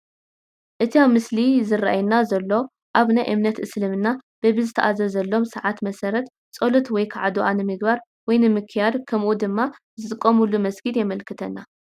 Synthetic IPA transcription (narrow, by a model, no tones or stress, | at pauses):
ʔɨt̪ʰiamɨslizɨra̰ʔajnazɐlːo̞ | ʔaβnajʔɨmnɐt̪ʔɨslɨmɨnːab̥ɐβɨzɨt̪ʰɐʔazɐzɐlːo̞msɨʕat̪mɐsɐɾɐt̪ | t͡sʼolot̪wɔjkʰaʕad̪uʔanɨmɨɡbaɾ | wɔjnɨmɨkʰɨjad̪kʰɐmʔud̪ɨmːa | zɨt̪ʼɨkʼːomulːumɐsɡɨd̪jɛmɐlkʰɨt̪ʰɐnːa